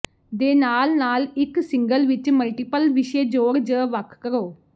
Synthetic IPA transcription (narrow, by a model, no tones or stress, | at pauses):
d̪eːnaːlnaːlɪksɪŋɡəlʋɪt͡ʃməlʈiːpəlʋɪʃeːd͡ʒoːɾd͡ʒəʋəkʰkəɾoː